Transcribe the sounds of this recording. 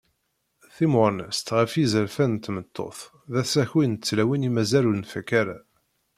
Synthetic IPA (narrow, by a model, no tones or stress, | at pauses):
θimʊnəst̪ʁəfizəɾfænt̪ːmət̪ʰːo̰θ | ðæθæçwint͡sːlæwinimæzælunfækæɾa̰